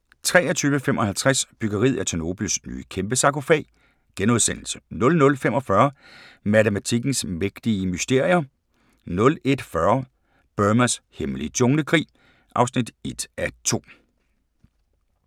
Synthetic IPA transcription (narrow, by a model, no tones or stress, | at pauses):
t͡sʰʁɛ̰ːɐt͡sʰyːʋəfemʔɒ̽hælt͡sʰʁasb̥yɡ̥ɐʁḭð̰ˠæt͡sʰeno̝b̥l̩sny̰ːəkʰemb̥əsɑ̈ko̝fɛ̰ɪ | ɡ̥enoð̞ˠsen̰l̩sə̥nɔ̽lnɔ̽lfemɒ̽fɶɐ | mæt͡səmæt͡sʰiɡ̥n̩smeɡ̥d̥iəmysd̥e̝ɐ̰jɐ | nɔ̽le̝d̥fɶɐ | b̥ømæsheməliət͡sʰɔ̽ŋnəkʰʁḭː | ʔɑ̈ʊsnid̥e̝d̥æt͡sʰo̝̰ː